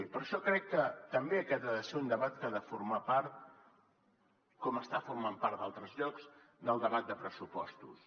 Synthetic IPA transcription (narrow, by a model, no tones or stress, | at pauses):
epəɾʃɔkɾɛkːət̪əmbeəkɛəðəseund̪əβat̪kaðəfuɾmapaɾt̪ | kɔməst̪afurmampaɾt̪d̪a̰lˠt̪ɾəzʎɔkz̥ | d̪əlˠd̪əβat̪̚d̪əpɾəsupɔst̪us